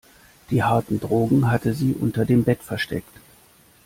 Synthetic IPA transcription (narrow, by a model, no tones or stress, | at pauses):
d̥iːhaɐtn̩dʁoːɡŋ̩ɦatəziːʔʊ̰ntɐdeːmbɛtfɛɐʃtɛ̰kt